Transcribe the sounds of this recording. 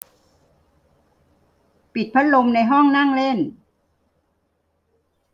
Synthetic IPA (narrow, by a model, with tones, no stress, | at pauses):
pi˨˩t̪̚pʰa˦˥t̪̚lo˧mna˧jɦɔ˥˩ŋna˥˩ŋle˥˩n